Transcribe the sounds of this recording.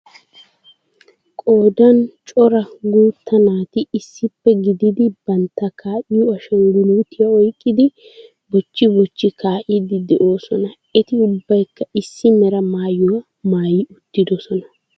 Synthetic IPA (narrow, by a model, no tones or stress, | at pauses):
kʼo̞ːd̪ɐnt͡ʃʼɔɾɐɡuːt̪ːɐnaːt̪ɪːsːɪpːɛɡɪd̪ɪd̪ɪbɐnt̪ːɐkʰaːʔɪjʊɐʃɔŋɡʊluːt̪ɪjɐɔjkʼːɪd̪ɪ | bɔt͡ʃːɪbɔt͡ʃːɪkʰaːʔɪd̪ɪd̪ɛʔo̞ːsɔnɐ | ɛt̪ɪʊbːɐjkːɐʔɪsːɪmɛɾɐmaːjɔ | maːjɪʊt̪ːɪd̪ɔsɔnɐ